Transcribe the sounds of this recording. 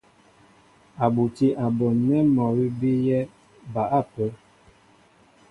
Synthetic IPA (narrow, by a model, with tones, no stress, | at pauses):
a˨bu˨ti˦ʔa˨bɔ˨nɛ˦mɔ˨wi˦bi˦jɛ˦ | ba˨ʔa˦˨pə˦